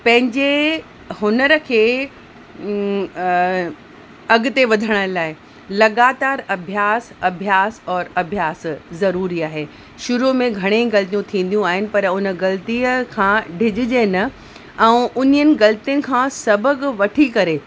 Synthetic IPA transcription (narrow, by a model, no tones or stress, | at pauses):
pɐ̃ɦɪ̃ɲd͡ʑe | hʊnəɾə̆kʰeː | ɐɡʊt̪eʋɐd̪ʱəɽ̃ə̆laːɪ | lɐɡaːt̪aːɾɐbʱjaːsɐbʱjaːsɔːɾɐbʱjaːszɐɾuːɾiaːɦeː | ʃʊɾumẽɡʱɐɽ̃eɡɐlt̪ijũt̪ʰĩːn̆d̪jũaːɦɪnɪ̆pɐɾʊnə̆ɡɐlt̪iːəkʰãɖʱɪd͡ʑɪd͡ʑenɐ | ɛ̃ːʔʊnijənɪ̆ɡɐlt̪ijənɪ̆kʰãːsɐbəɡʋɐʈʰikɐɾeː